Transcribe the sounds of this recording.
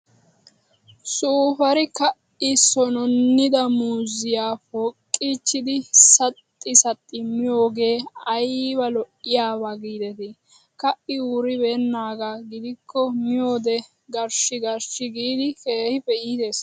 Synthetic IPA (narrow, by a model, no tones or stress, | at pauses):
suːfɐɾɪkɐʔ | ɪsɔnɔnːɪd̪ɐmuzɪjaːfɔkʼːiːt͡ʃːɪd̪ɪsɐt̪ʼːɪsɐt̪ʼːɪmɪjo̞ːɡe̞ːɐjbɐlɔʔɪjaːbaɡiːd̪ɛt̪ɛ | kɐʔɪuɾɪbeːnːaːɡaɡɪd̪ɪkːɔmɪjo̞ːd̪ɛ | ɡɐɾʃɪɡɐɾʃɪɡiːd̪ɪkeːhɪfɛʔiːd̪e̞ːs